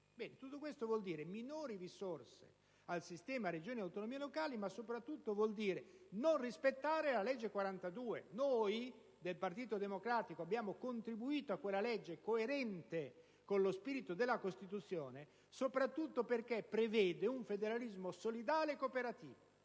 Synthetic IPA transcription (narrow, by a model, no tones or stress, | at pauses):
bɛːnet̪ut̪ːokwest̪ovwɔld̪iːɾeminoːɾirisorsḛ | alsist̪ɛːmaɾed͡ʒoːniawt̪onomiːelokaːlimasopɾat̪ːut̪ːovwɔld̪iːɾenonrispet̪ːaːɾelalɛd͡ʒːekwaɾant̪ad̪uːḛnoːj | d̪elpart̪iːt̪od̪emokɾaːt̪ikoabːjaːmokont̪ɾibuiːt̪oakːwelːalɛd͡ʒːekoeɾɛnt̪e | konlospiːɾit̪od̪elːakost̪it̪ut̪sːjoːne | sopɾat̪ːut̪ːoperkepːɾevɛːd̪euɱfed̪eɾalizmosolid̪aːleːkːopeɾat̪ḭːvo